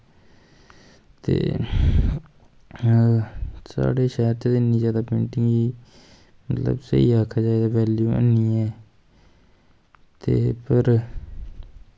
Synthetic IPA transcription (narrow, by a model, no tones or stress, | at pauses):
t̪ḛː | sa̰ːɽeːʃɛːɾt̪ːd̪ɪnĩːzjaːd̪aːpḛ̃ːɳʈɪŋiː | mət̪lə̰bsə̰ḭːaːkʰaːd͡ʒaːeːd̪aːʋɛːljuːə̰niːɛː | t̪eːpəɾ